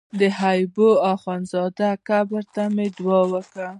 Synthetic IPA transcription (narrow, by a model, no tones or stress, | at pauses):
d̪əhajboɑxɑnzɑd̪akabəɾt̪amed̪wɑwəkɽa